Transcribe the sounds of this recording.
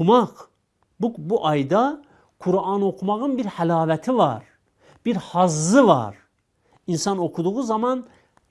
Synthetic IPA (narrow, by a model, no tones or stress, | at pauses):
mɑʁ | bubuʔɑjd̪ɑ | kʰuɾɑnokʰumɑʁɯnbiɾhælɑːvæt̪ʰivɑɾ | b̥iɾhɑzːɯvɑ̰ɾ | insɑno̞kʰud̪uʁuzɑmɑn